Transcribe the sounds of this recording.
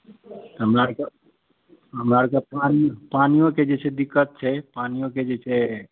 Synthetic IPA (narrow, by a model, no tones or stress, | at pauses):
t̪əɦəmɾaɾka | ɦəmɾaɾkapanipanijõked͡ʒɛt͡ʃʰɛd̪ikːət̪̚t͡ʃʰɛpanijõked͡ʒɛt͡ʃʰɛ